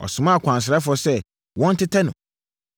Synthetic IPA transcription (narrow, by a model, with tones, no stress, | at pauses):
ɔ̰˨sʊ̃˨mã˦˨kʷʰã˨ns̬ɪ˨ɾɛ˦fʊɔ˦sɛ˦ | wɔ̃˦n̩˦tʰɪ˦tʰɛ˦nʊ̃˨